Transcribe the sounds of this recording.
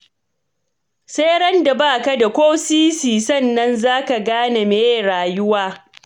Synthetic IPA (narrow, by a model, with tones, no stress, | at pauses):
se˦ɽɐ˦nda˨baː˦˨ka˦da˨kʷoː˦siː˦siː˨sɐ˦˨nːɐ˦nzaː˦ka˨ɡaː˦na˨meː˨˦e˦˨ɽaː˨jʊ˦waː˦